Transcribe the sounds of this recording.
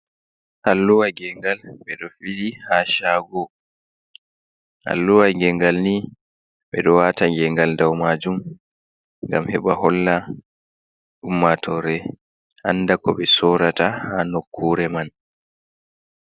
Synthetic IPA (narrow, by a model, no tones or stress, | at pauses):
halːuwaɡɛŋɡalɓɛɗɔfidihaʃaɡɔ | ha̰lːuwaɡɛŋɡalni | ɓɛɗɔwaːtaɡɛŋɡaldawmad͡ʒum | ŋɡa̰mhɛɓahɔlːa | ɗumːatʰɔɾɛ | ʔa̰nːdakɔɓɛsɔɾatahanokʰːuːɾɛman